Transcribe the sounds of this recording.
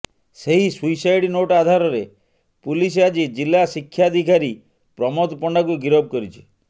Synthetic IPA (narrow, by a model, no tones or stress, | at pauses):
seɦisuisajɽinoʈad̪ʱaɾɔɾe | pulis̬ead͡ʒid͡ʒilːasikʰːjad̪ʱikaɾi | pɾɔmɔt̪ɔpɔɳɖakuɡiɾɔb̚kɔɾit͡ʃʰi̥